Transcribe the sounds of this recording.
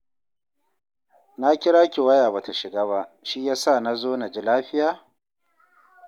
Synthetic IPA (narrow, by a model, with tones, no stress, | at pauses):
na˦kʲɪ˦ɽaː˦kʲi˨wɐ˦jaː˨ba˨ta˨ʃɪ˨ɡaː˦βa˦ʃi˦jaː˦sa˦˨na˦zoː˦na˨d͡ʒi˦laː˦ɸɪ˦jaː˦˨